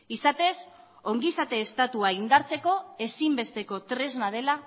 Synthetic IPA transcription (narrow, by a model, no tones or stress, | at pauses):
isat̪e̞s | o̞ŋɡisat̪e̞ːst̪at̪uaind̪aɾt͡se̞ko̞e̞simbe̞st̪e̞ko̞t̪ɾe̞znað̞e̞la